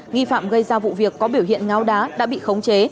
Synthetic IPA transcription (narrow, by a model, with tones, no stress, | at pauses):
ŋi˧fa̰ː˧˩mɣə˧jzaː˧vṵ˧˨vi˨˩əkːɔ˨˦ɓi˧˩əwhḭ˧˨ənŋaː˨˦wɗaː˨˦ɗa̰ː˧˥ɓḭ˧˨xə˨˦wŋ͡mt͡ɕe˨˦